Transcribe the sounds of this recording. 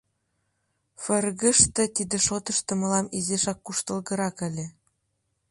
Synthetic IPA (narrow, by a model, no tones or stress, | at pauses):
fɤ̆rɣə̆ʃt̪ɤ̆t̪id̪ĕʃot̪ɤ̆ʃt̪ɤ̆mɤ̆lɑmizeʃɑkːuʃt̪ɤ̆lɣɤ̆ɾɑkɘ̆lʲĕ